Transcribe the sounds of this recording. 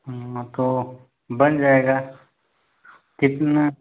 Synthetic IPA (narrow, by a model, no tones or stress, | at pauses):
t̪o | bɐnd͡ʒaːeːɡaː | kɪt̪na